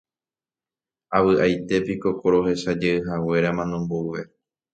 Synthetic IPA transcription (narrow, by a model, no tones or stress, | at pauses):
aβɨʔajt̪e̞piko̞koɾo̞ɦe̞ʃad͡ʒeɨɦawe̞ɾamãnõmbouʋe̞